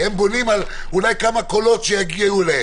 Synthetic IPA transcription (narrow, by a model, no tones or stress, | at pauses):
embonimal | ulajkamakolo̞t̪ʃejaɡijeule